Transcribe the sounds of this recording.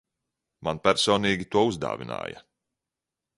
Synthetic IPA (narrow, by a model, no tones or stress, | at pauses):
manpʲæɾsɔːniːɡʲit̪uɔuzd̪a̰ːvina̰ːjɐ̰